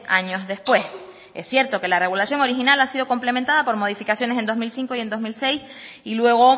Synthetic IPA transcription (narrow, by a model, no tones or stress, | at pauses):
a̰ɲo̞zðe̞spwe̞s | e̞sːje̞ɾt̪o̞ke̞lare̞ɣulasjo̞ŋo̞ɾixinalasið̞o̞ko̞mple̞mẽnt̪aðapo̞ɾmo̞ðifikasjo̞ne̞s̬e̞nd̪o̞zmilsĩŋkoie̞nd̪o̞zmilse̞jsilwe̞ɣ̞o